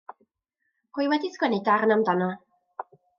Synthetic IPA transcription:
hɨwɛdisɡ̥wɛnidarnamdanɔ

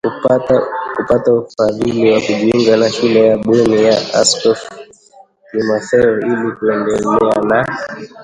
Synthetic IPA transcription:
k | kupataufaðiliwakuʄɛŋɡanaʃilɛjaɓɔnijaa̰skɔf | nimafɛɔilikuɛndɛlɛana

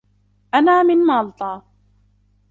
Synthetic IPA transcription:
ʔanaːmɪnmɑːlt̪ˤɑː

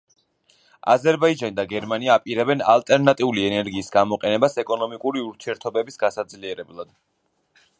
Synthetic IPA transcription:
a̰zɛɾbaid͡ʒanid̪aɡɛɾmaniaːpʼiɾɛbɛna̰lˠt̪ʼɛɾnat̪ʼiuliɛnɛɾɡiːsɡamɔqʼɛnɛbasɛkʼɔnɔmikʼuɾiuɾt̪ʰiɛɾt̪ʰɔbɛbisɡ̥asad̪zliɛɾɛblˠad̪̥

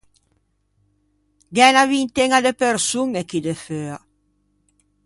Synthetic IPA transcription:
ɡɛnaβint̪eŋad̪epeɾsuŋekid̪eføa

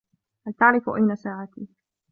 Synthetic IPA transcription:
halt̪aʕɾɪfʊʔajnasaːʕat̪iː

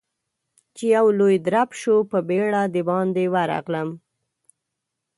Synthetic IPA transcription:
t͡ʃejawlojd̪ɾapʃopəbeɽad̪əbɑnd̪ewaɾɑ̰ɣləm

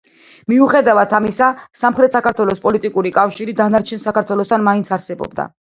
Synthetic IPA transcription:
miuχɛd̪avat̪ʰamisasamχɾɛt̪ʰsakaɾt̪ʰwɛlˠɔspʼɔlit̪ʼikʼuɾikʼafʃiɾid̪anaɾt͡ʃʰɛnsakʰaɾt̪ʰwɛlˠɔst̪ʰanmaint̪sʰaɾsɛbɔ̰bd̪a̰

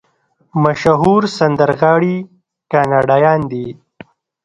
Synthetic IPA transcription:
maʃɦuːɾsand̪əɾɣɑːɽi | kɑːnɑːɖaːjɑːnd̪i

